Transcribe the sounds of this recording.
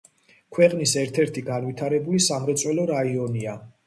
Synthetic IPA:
kʰwɛqʼnisɛɾt̪ʰɛɾt̪ʰiɡanvwit̪ʰaɾɛbulisamɾɛt̪sʼwɛlɔɾaiɔnia

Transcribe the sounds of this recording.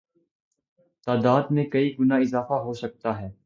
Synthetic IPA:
t̪aːd̪aːd̪mẽkɐiɡʊnaɪzaːfaɦosɐk̚t̪aɦɛː

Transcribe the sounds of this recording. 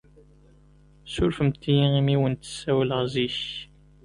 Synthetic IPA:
sʊɾfəmt̪ːijiimiwənt̪ə̥sːæwləʁziç

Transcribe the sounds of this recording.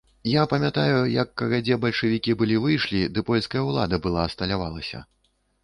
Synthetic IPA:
japɐmʲat̪ajujɐkːɐɣad͡zʲɛbɐlʲʂɨvʲikʲibɨlʲivɨjʂlʲid̪ɨpɔlʲskɐjɐwlˠa̰d̪ɐbɨlˠaɐst̪ɐlʲavalˠɐsʲɐ̰

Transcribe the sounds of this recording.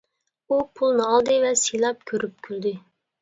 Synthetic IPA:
upʰulˠnɨɑlˠd̪ɨvɛsijlˠɑp̚kʲʰøɾyp̚kʲʰyld̪ɪ

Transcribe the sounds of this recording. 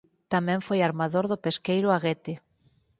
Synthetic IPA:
t̪amɛ̃ɱfojaɾmaðoɾðʊpeskejɾʊaɣet̪ɪ

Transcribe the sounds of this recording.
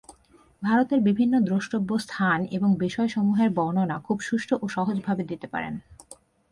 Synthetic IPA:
bʱaɾot̪eɾbibʱinːod̪ɾoʃʈobːost̪ʰaneboŋbiʃɔeʃɔmuɦeɾbɔɾnonakʰubʃuʃʈʰoʔoʃɔɦod͡ʑbʱabed̪it̪epa̰ɾḛn

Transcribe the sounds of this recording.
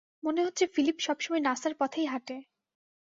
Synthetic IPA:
moneɦot̪ːɕʰefilipʃɔbʃɔmɔjnasaɾpɔt̪ʰejɦaʈe

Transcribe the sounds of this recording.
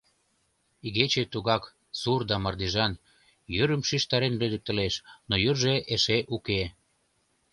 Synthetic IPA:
iɣet͡ɕet̪uɣɑk | surd̪ɑmɑrd̪iʒɑn | jøɾə̆mʃiʃt̪ɑɾenrød̪ə̆k̚t̪ə̆leʃnojørʒeʔeʃeʔuke

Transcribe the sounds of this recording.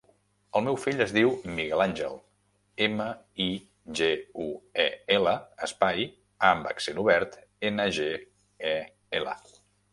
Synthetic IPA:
əlˠmɛwfiʎəzðiwmiɣɛlanʲʒɛ̰lˠ | emə | i | ʒeuɛɛləəspaj | ambə̰ksenuβɛɾt̪enəʒe | ɛ | elə̰

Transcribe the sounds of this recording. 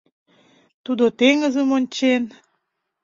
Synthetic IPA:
t̪ud̪ot̪eŋəzə̆monʲt͡ɕen

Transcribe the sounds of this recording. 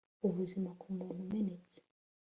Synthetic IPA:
uβuzimakʰumuːn̤umenet͡se̥

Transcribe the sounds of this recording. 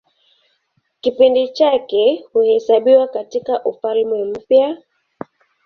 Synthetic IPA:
kipindit͡ʃakɛhuhɛsaɓiwakatikaʔufalmɛm̩pja

